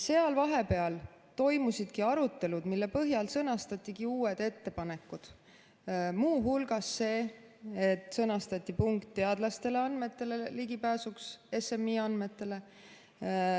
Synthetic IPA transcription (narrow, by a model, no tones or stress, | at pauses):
se̞ɑlvɑɦe̞pe̞ɑl | t̪o̞jmusid̪̥kiɑɾut̪ːˑe̞lud̪̥milːe̞pɤɦjɑlsɤnɑst̪ɑt̪ʲːˑiɡiuːed̪̥e̞t̪ːe̞pɑne̞kːˑud̪̥ | muːɦulɡ̥ɑsːe̞ː | t̪ːˑsɤnɑst̪ɑt̪ʲːˑipuŋkt̪ːe̞ɑd̪̥lɑst̪e̞le̞ɑnme̞t̪ːˑe̞le̞liɡipæːsukse̞se̞mːiɑnd̪me̞t̪ːe̞le̞